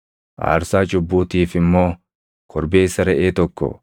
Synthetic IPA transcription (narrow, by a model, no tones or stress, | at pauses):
ʔa̰ːɾsaːt͡ʃʼʊbːuːt̪iːfɪmːo̞ː | kʰɔɾbeːɪsːɐɾɛʔeːt̪ɔkːɔ̰